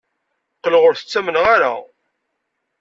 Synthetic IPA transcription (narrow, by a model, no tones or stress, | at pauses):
qəlʁʊɾθə̥t͡sːæmənʁaɾa̰